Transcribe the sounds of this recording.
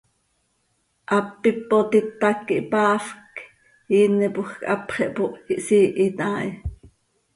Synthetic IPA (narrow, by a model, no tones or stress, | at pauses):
ʔɑpːipːot̪it̪ːɑkːiʔpɑːfk | jiːnipuxkʼʔɑpχɛʔpoʔiʔsiːʔit̪ɑːʔi